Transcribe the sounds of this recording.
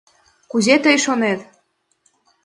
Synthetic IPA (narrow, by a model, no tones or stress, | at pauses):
kuzet̪əjʃonet̪